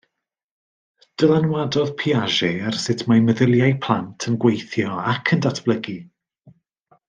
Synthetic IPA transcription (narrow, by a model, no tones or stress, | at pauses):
d̥əlˠanwadɔðpʰiaʒersɪtʰmajməðɪlˠjajpʰlˠantʰənɡwejθjɔakʰəndatʰb̥lˠəɡi